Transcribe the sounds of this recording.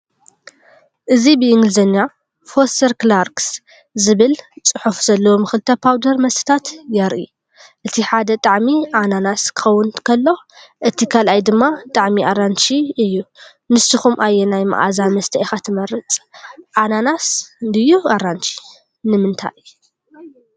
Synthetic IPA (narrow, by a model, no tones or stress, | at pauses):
ʔɨzibɨʔɪŋɡɨlzɐnːa | fost̪ɐɾkɨlaɾks | zɨβɨlt͡sʼɨħufz̥ɐlːɐwomɨxɨlt̪ʰːɐpʰawd̪ɐɾmɐst̪ʰɨ̥t̪ʰat̪jɐɾʔḭ | ʔɨt̪ʰiħad̪ɐt̪ʼaʕmiʔananaskʰɨ̥xɐwːʊnkʰɐlːo̞ | ʔɨt̪ʰikʰalʔajd̪ɨmːat̪ʼaʕmiʔaɾant͡ʃiɨjːu | nɨsɨxumʔajːenajma̰ʔa̰zamɐst̪ʰɐexat̪ʰɨmɐɾɨt͡sʼʔananasɨnd̪ɨjːuaɾant͡ʃʰi̥ | nɨmɨnt̪ʰa̰ʔ